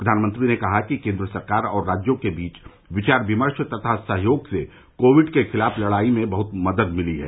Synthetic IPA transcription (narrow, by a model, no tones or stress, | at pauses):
ppɾɐd̪ʱaːnmə̃nt̪ɾinekɐɦakikẽːnd̪ɾəsɐɾkaːɾɔːɾːaːd͡ʒjõkebiːt͡ʃ | ʋɪt͡ʃaːɾbɪməɾʃt̪ɐt̪ʰasɐɦjoːɡse | koːʋɪɖkexɪlaːfʰlɐɽaːimẽbɐɦʊt̪mɐd̪əd̪mɪliɦɛ̰ː